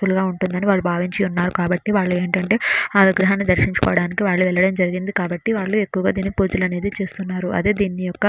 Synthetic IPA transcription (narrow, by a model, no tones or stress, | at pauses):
uluɡaːuɳʈund̪ɐniʋaːɭːubʱaːʋiɲt͡ʃiunːaːɾukaːbɐʈːiʋaːɭːue̞ːɳʈɐɳʈe̞ːaːluɡɾɐɦaːnːid̪ɐɾʃiɲt͡ʃu̥kɔ̰ːʋɐɽaːnikiʋaːɭːuʋɛɭːɐɽɐmd͡ʒɐɾiɡind̪ikaːbɐʈːiʋaːɭːue̞kːuʋɐɡaːd̪iːnːipuːd͡ʒulɐne̞ːd̪it͡ʃe̞ːst̪unːaːɾuʔɐ̰d̪eːd̪iːnːijɔkːɐ